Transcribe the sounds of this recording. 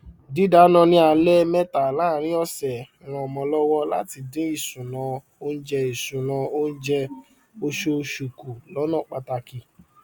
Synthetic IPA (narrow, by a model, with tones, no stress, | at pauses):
di˨˦da˨˦nã˧nĩ˦a˨lɛ˦mɛ̃˦ta˨lãː˦˨ɾ̃ĩ˦ɔ˧sɛ˨ɾ̃ã˨mɔ̃˨˧˨lɔ˦wɔ˦la̰˦ti˧dẽ˨˦i˦˨sũ˨nã˧ | o˦n̩˦d͡ʒɛ˧i˨sũ˨nã˧o˦n̩˦d͡ʒɛ˧ | o˧ʃo˧ʃu˨ku˨lɔ˨˦nɔ̃˦˨k͡pa˧ta˧ki˧